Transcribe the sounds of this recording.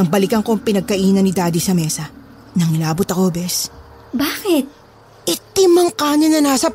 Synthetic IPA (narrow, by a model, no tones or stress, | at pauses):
ɐŋbɐlɪkɐŋko̞ŋpɪnɐɡ̚kɐʔiːnɐnɪd̪aːd̪isɐmɛːsɐ | nɐŋɪlaːbʊt̪ɐko̞bɛs | baːkɪt̪̚ | ʔɪt̪ːɪmɐŋkaːnɐnɐnaːsɐ